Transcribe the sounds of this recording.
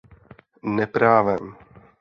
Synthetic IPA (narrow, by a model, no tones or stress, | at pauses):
nɛpɾaːvɛm